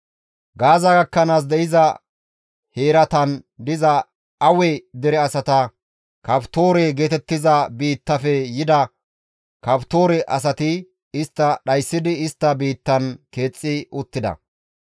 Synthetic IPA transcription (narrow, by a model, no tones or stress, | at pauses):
ɡaːzɐɡɐkːɐnaːs̬d̪ɛʔɪzɐ | he̞ːɾɐt̪ɐnd̪ɪzɐ | ɐwɛd̪ɛɾɛɐsɐt̪ɐ | kɐpt̪o̞ːɾɛɡe̞ːt̪ɛt̪ːɪzɐbiːt̪ːɐfɛjɪd̪ɐ | kɐpt̪o̞ːɾɛʔɐs̬ɐt̪ɪ | ɪst̪ːɐɗɐjsːɪd̪ɪɪst̪ːɐbiːt̪ːɐnke̞ːt͡sʼːɪʊt̪ːɪd̪ɐ̰